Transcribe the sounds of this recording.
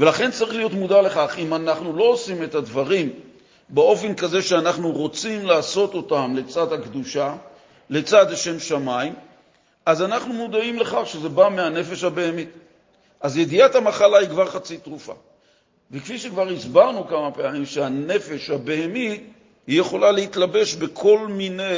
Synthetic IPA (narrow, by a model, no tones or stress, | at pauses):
ve̞laχe̞nt͡saʁiχlijo̞tmud̪ale̞χaχimanaχnulo̞osime̞t̪ad̪vaʁim | be̞o̞fe̞nkaze̞ʃeanaχnuʁo̞t͡simlaːso̞to̞tamle̞t͡sad̪hakd̪uʃa | le̞t͡sad̪aʃe̞mʃamaim | azanaχnumud̪aimleχaχʃeze̞bameane̞fe̞ʃhabe̞emi | ʔazje̞d̪iat̪hamaχalaikvaʁχat͡sit̪ʁufa̰ | vekfiʃekvaʁisbaʁnukamapeamimʃeane̞fe̞ʃhabe̞hemi | hije̞χo̞lalehit̪labe̞ʃbe̞kʰo̞lmine